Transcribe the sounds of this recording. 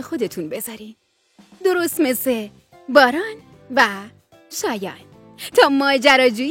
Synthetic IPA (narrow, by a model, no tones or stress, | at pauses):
xo̞d̪e̞t̪ʰunbe̞zɒɾin | d̪o̞ɾost̪me̞se | bɒːɾɒn | væ | ʃɒːjɒːn | t̪ʰɒːmɒːd͡ʒæɾɒːd͡ʒuːj